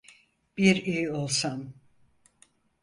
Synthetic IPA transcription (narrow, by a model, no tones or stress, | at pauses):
b̥iɾijo̞lˠsam